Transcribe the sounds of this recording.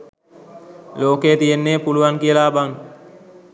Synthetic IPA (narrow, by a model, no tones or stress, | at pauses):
loːkeːt̪ijenːeːpuluʋaŋkijəlaːbaŋ